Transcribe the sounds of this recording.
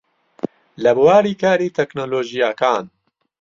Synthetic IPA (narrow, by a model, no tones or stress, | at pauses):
lɐbuwaːɾiːkaːɾiːt̪ʰɛknoːloːʒijaːkaːn